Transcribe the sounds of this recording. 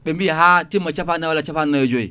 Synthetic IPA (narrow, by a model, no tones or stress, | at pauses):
ɓembiɦatimat͡ʃapanawalat͡ʃapannajod͡ʒoḭ